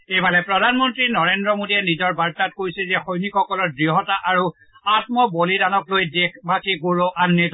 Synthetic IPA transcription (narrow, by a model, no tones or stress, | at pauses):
ebalɛpɹɔdʱanmɔntɹinɔɹendɹɔmodiɛnizɔɹbaɹtat̚kojsɛzɛxojnikxɔkɔlɔɹdɹiɦɔtaʔaɹu | atmɔbolidanɔklojdekʰbakiɡoɹoʔannet